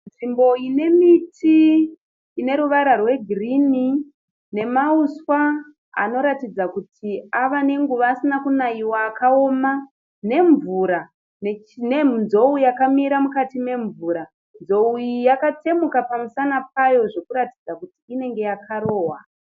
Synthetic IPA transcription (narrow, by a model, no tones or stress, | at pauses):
nʐimbo̞ine̞mitʰiː | ne̞ɾuʋaɾarwe̞ɡʱirini | ne̞mauswa | a̰no̞ɾatid͡zakutʰiaʋane̞ŋɡuʋaːsinakunaiwaːkao̞ma | ne̞ɱvuɾa | nenenzo̞ujakamiɾamukatime̞ɱvuːɾa | nzo̞uijakate̞mukapamusanap̚ajo̞ʐe̞kuɾatid͡zakutiːne̞ŋɡe̞jakʰaɾo̞ːwa